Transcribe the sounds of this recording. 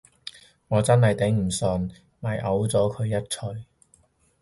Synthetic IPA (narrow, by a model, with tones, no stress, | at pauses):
ŋɔː˨˧t͡sɐ˥nhɐ˨jt̪e˨˥ŋm̩˨˩sɔ˨˧n | mɐ˨˩jʔɐ˨˥wt͡sɔː˨˥kʰɵ˨˧ɥjɐ˥t̚t͡ʃʰɵ˧ɥ